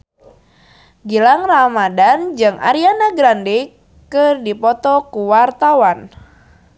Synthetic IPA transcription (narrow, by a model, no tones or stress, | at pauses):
ɡilaŋramadand͡ʒɨŋʔa̰ɾianaɡɾande | kɨrdipɔt̪ɔkuwart̪awan